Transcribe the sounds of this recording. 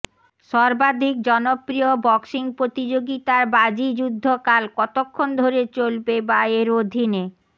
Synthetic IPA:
ʃɔɾbad̪ʱik̚d͡ʑɔnopɾiobɔksiŋpɾot̪id͡ʑoɡit̪aɾbad͡ʑid͡ʑud̪ʱːokalkɔt̪okʰːond̪ʱoɾet͡ɕolbebaeɾod̪ʱine

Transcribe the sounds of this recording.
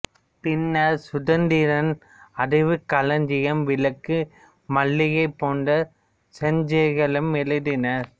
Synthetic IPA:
pɪnːɐɾsʊðɐnd̪iɾɐn | ɐɽɐɪʋɯkːɐlɐɲd͡ʒɪjɐmʋɪlɐkːɯ | mɐɭːɪjɐɪpːoːnɖɐ | sɛɲd͡ʒɐɪɣɐɭɯmːɛlɐɾɪnɐɾ

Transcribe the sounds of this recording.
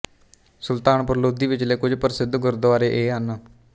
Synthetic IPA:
sʊlt̪aːnpəɾloːd̪iːʋɪt͡ʃleːkʊd͡ʒpəɾɪsɪd̪ɡʊɾd̪ʊaːɾeːʔeːɦən

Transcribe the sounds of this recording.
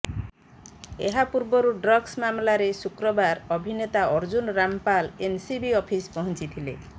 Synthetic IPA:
ḛɦapuɾbɔɾuɖɾɔɡsmamlaɾesukɾɔbaɾɔbʱinet̪aɔɾd͡ʒunɾampalensibiɔpʰispɔɦɔnt͡ʃit̪ʰilḛ

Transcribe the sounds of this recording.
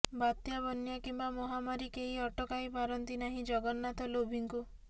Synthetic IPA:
bat̪jabɔnjakimbamɔɦamaɾikeɦiɔʈɔkajpaɾɔnt̪inaɦĩd͡ʒɔɡɔnːat̪ɔlobʱiŋku

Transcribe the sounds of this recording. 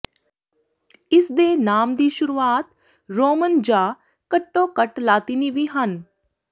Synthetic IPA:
ɪsd̪eːnaːmd̪iːʃʊɾuːaːt̪ | ɾoːmənd͡ʒaː | kəʈːõːkəʈlaːt̪iːniːʋiːɦən

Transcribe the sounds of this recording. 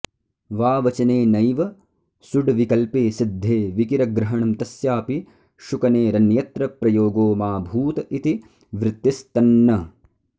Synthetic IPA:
ʋaːʋɐt͡ʃɐneːnɐjʋɐ | suɖʋikɐlpeːsid̪ʱːeːʋikiɾɐɡɾɐɦɐɳɐmt̪ɐsjaːpi | ʃukɐneːɾɐnjɐt̪ɾɐpɾɐjoːɡoːmaːbʱuːt̪ɐʔit̪i | ʋɾɪt̪ːist̪ɐnːɐ

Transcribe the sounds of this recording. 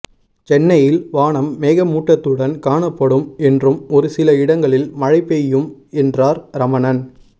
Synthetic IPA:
t͡ʃɛnːɐjɪlʋaːɳɐmːeːɣɐmuːʈːɐt̪ːɯɽɐnkaːɳɐpːɐɽɯmɛndrɯmɔɾɯsɪlɐɪɽɐŋɡɐɭɪlmɐɻɐɪpːɛjɯmɛndraːɾɾɐmɐnɐn

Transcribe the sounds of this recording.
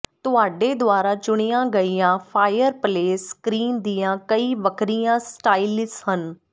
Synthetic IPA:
t̪ʊaːɖeːd̪ʊaːɾaːt͡ʃʊɽ̃iːãːɡəiːãːpʰaːɪjəɾpleːskɾiːnd̪iːjãːkəiːʋəkɾijãːsʈaːilɪshən

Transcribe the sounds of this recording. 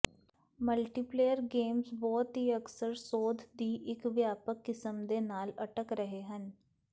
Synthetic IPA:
məlʈiːpleːjəɾɡeːmzbɔːt̪ɦiːəksəɾsoːd̪ʱd̪iːʔɪkʋjaːpəkːɪsəmd̪eːnaːləʈəkɾəɦeɦən

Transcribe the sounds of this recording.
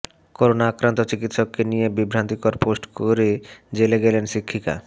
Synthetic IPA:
koɾonaakɾant̪ot͡ɕikit̪ʃokːenijebibʱɾant̪ikoɾposʈkoɾed͡ʑeleɡelenʃɾikʰːika̰

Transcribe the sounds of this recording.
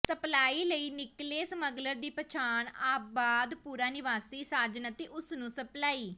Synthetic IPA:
səplaːiːləiːnɪkleːsəməɡləɾd̪iːpət͡ʃʰaːnaːpbaːd̪puːɾaːnɪʋaːsiːsaːd͡ʒənət̪eːʔʊsnũːsəplaːiː

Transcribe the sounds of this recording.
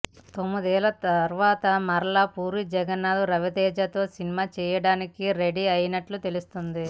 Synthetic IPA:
t̪o̞mːid̪ɛːlɐt̪ɐɾʋaːt̪ɐmɐɾɐɭaːpuːɾid͡ʒɛɡɐnːaːd̪uɾɐʋid̪ɛːd͡ʒɐt̪o̞ːsinimaːt͡ʃɛːjɐɽaːnikiɾe̞ɽiɐjinɐʈlut̪e̞lust̪und̪i

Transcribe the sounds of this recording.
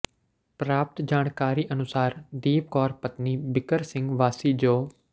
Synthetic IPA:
pɾaːp̚t̪d͡ʒaːɽ̃kaːɾiːʔənʊsaːɾd̪iːp̚kɔːɾpət̪niːbɪkəɾsɪ̃ŋɡʋaːsiːd͡ʒoː

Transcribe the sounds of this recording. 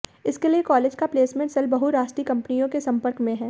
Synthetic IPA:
ɪskeliekɔːleːd͡ʒkapleːsmẽɳʈsɐlbɐɦuɾaːʃʈɾikɐ̃mpnijõkesɐ̃mpəɾkmẽɦɛː

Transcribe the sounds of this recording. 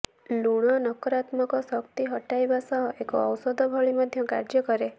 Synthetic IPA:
luɽ̃ɔnɔkɔɾat̪mɔkɔsɔkt̪iɦɔʈajbasɔɦɔʔekɔːwsɔd̪ʱɔbʱɔɭimɔd̪ʱjɔkaɾd͡ʒɔkɔɾe

